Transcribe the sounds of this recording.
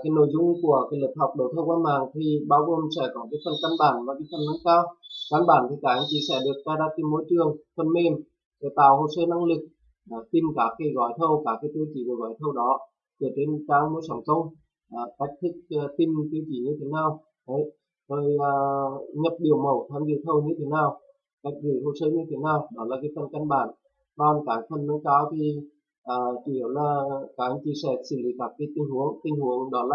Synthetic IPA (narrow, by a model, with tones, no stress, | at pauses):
kaː˨˦jno̰˧˩˨jzʊ˧ŋ͡mku˧˩əkaː˨˦jləː˨˩p̚hɔ˨˩wk͡p̚ɗə˨˩wt̪ʰə˧wkwaː˧nmaː˨˩ŋt̪ʰi˨˩ɓaː˧wɣo˨˩msɛ̰˧˥˩kɔ˨˦kaː˨˦jfə˨˧˩nka˧nɓaː˧˩nvaː˨˩ki˨˦jfə˧˩nːə˨˦ŋ͡mkaː˧wka˧nɓaː˧˩nt̪ʰi˨˩kaː˧˩ʔa˧˦ŋ̟t͡ɕi˧˩sɛ̰˧˥˩ɗɨ˨˩ək̚zaː˧zaː˧˥t̪i˧mo˧˨˦jt͡ɕɨ˨˩əŋfə˧˩nme˧˩m | kə˨˦t̪a̰ː˧˨who˧˨səː˧na˧ŋlɨ˨˩k̚ | ɗaː˧˩t̪i˧mkaː˨˦˥kːaː˨˦jɣɔ˧˩jt̪ʰə˧wkaː˧˩kːaː˨˦jt̪ɨ˧t͡ɕi˨˧˩ku˨˩ɣɔ̰ː˧˩jt̪ʰə˧wɗɔ˨˦ | kɨ˨˩t͡ɕe˧nkaː˨˦k̚mo˨˧˦jsa˧˩ŋ͡mkə˧wŋ͡m | ʔəː˨˩ka˦˥jk̚t̪ʰɨ˦˥k̚ːt̪i˧mt̪ɨ˧əwt͡ɕi˧˩˦ɲɨ˧t̪ʰe˨˦naː˧˩w | ʔə˨˦j | zoː˧˩jəː˨˩ɲə˨˩p̚ɗi˨˩əwmə˨˩wt̪ʰaː˧˩mzi˧˨wt̪ʰə˧wɲɨ˧t̪ʰe˨˦naː˨˩w | ka˦˥jk̚zɨ˧˩ho˧˩wsəː˧˦ɲɨ˧t̪ʰe˨˦naː˧˩wɗɔ˨˦laː˨˩kaː˨˦jfʰə˧˩nkə˧nɓa̰ː˧˩n | kɔ˧˩nkaː˨˦˩k̚fʰə˧nnə˨˦kaː˨˦wt̪ʰi˨˩ | ʔəː˨˩ki˧˩ə˨˩wlaː˨˩kaː˨˦˩kt͡ɕi˧sɛ̰˧˩sɨ̰˧˩lḭ˧˦kaː˦˥k̚ːaː˨˦jt̪ï˧ŋ̟hu˨˦əŋt̪ï˧ŋ̟hu˨˦əŋɗɔ˨˦la˧˨˩